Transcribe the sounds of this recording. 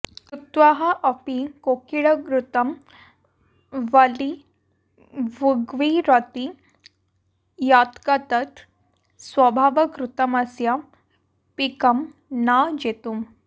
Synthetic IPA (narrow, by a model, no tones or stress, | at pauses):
kɾut̪ʋaɦɐʔəpikokiɭəkɾut̪ɐm | ʋəli | ʋuɡʋiɾot̪i | jat̪kat̪ət̪ | sʋəbʱaʋəkɾut̪əmasja | pikɐm | nad͡ʒet̪um